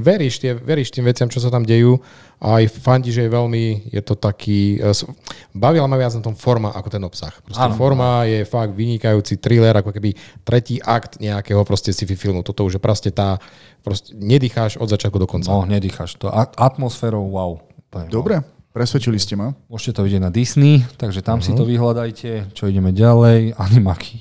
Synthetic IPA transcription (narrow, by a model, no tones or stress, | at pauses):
ʋɛɾiːʃt̪ɪɛʋɛɾiːʃt̪iːmʋɛt͡sɪamt͡ʃɔs̬at̪amɟɛjuː | ʔajfaɲɟiʒɛjɛʋɛlmijɛ̰t̪ɔt̪akʰiːsbaʋilamaʋɪad͡znat̪ɔmfɔɾmaʔakɔt̪ɛnɔpsa̰xpɾɔsafɔɾmajɛfaɡ̚d̪ʋiɲikajuːt͡sit̪ɾilɛɾʔakɔkɛbit̪ɾʔɛciːʔakt̪ɲɛakɛɦɔpɾɔscɛsififilˠmut̪ɔt̪ɔuʒjɛpɾascɛt̪aː | pɾɔscɛɲɛd̪iːxaʒɔd̪zat͡ʃɪat̪kud̪ɔkɔnt͡saɔɲɛd̪ixaʃt̪ɔʔaat̪mɔsfɛːɾɔʊʋaʊt̪ɔɛd̪ɔbɾɛ | pɾɛsʋɛt͡ʃiliscɛmamʊɔʃcɛt̪ɔʋiɟɪjɛɟnad̪isnit̪aɡʒɛt̪amsit̪ɔʋiɦlad̪ajcʰɛt͡ʃɔiɟɛmɛɟalɛjaɲɛmakʰi̥